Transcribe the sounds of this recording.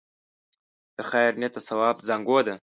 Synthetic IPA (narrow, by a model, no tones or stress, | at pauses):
d̪̥əxajɾnet̪asawɑːbzaŋɡod̪a